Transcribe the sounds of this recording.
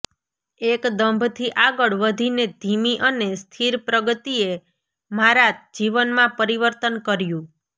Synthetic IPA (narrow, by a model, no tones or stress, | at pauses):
ekd̪əmbʱt̪ʰiʔaɡəɭʋəd̪ʱined̪ʱimiʔənest̪ʰiɾpɾəɡət̪ie | maɾad͡ʒd͡ʒiʋənmãpəɾiʋəɾt̪ənkəɾjũ